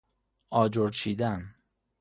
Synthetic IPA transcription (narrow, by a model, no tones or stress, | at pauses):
ɒːd͡ʒoɾt͡ʃʰiːd̪æn